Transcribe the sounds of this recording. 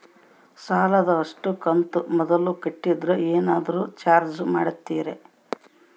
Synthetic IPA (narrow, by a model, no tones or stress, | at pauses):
saːlɐd̪ɐɐʂʈukɐnt̪umɔd̪ɐlukɐʈːid̪ɾeeːnaːd̪ɐɾuːt͡ʃaːɾd͡ʒmaːɽut̪ːiːɾe